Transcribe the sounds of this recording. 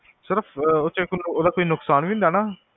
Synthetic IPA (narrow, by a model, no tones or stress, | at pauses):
sɪɾəpʰot͡ʃəknoːd̪aːkoiːnʊksaːnʋĩːnd̪aːnaː